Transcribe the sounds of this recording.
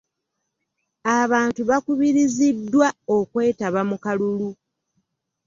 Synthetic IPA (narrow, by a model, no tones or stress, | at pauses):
aβaːntuβakuβiɾizidːwao̞kwe̞ːtaβamukalulu